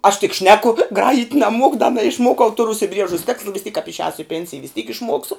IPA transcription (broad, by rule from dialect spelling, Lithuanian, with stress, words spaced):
ɐʃ tʲɪk ˈʃʲnʲæːkʊ ˈɡrɑːjɪtʲ nɐˈmuɔkʊ dɐ nɐɪʃˈmuɔkɐʊ ˈtʊrʊ ʊʃʲsʲɪˈbʲrʲiɛʒʊs ˈtʲæːkslˠɐ ʋʲɪs tʲiːk kɐp ɪʃʲˈɛːsʊ ɪ ˈpʲɛnʲsʲɪjɛ ʋʲɪs tʲiːk ɪʃˈmuɔksʊ